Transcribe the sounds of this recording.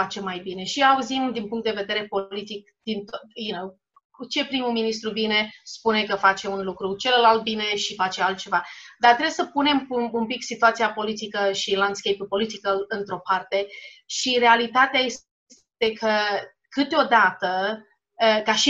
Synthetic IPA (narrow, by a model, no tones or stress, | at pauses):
at͡ʃe̞majbine̞ʃiauzimd̪inpuŋkt̪d̪eve̞d̪e̞ɾe̞po̞lit̪ik̚d̪̥int̪ojenow | t͡ʃe̞pɾimuminist̪ɾuvine̞spune̞kəfat͡ʃe̞unlukɾut͡ʃe̞lelalt̪̚bine̞ʃifat͡ʃe̞alt̪̚t͡ʃe̞vad̪art̪ɾejesəpune̞muumpiksit̪uat̪sijapo̞lit̪ikəʃiland̪skejpupo̞lit̪ikəɨnt̪ɾo̞part̪e̞ʃiɾe̞alit̪at̪eajes | s | t̪e̞kʰə | kɨt̪eo̞d̪at̪ə | əkaʃi